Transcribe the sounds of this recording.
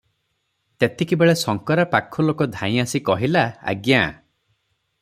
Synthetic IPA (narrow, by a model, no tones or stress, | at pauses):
t̪et̪ʰekibeɭesɔŋkɔɾapakʰɔlokɔd̪ʱãĩasikɔɦilaa̰ɡja